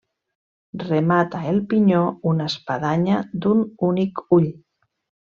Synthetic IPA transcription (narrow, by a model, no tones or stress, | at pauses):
remat̪aelˠpiɲounaspaðaɲad̪ununikuʎ